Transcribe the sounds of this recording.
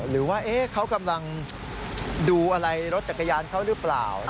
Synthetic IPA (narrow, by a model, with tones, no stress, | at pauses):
ɾɯː˩˦waː˥˩ʔeː˦˥kʰa˦˥wka˧mla˧ŋ | duː˧ʔa˧ɾa˧jɾo˦˥t̪̚t͡ɕa˨˩kːa˧jaː˧nkʰa˥˩wɾɯ˦˥pla̰ː˨˩w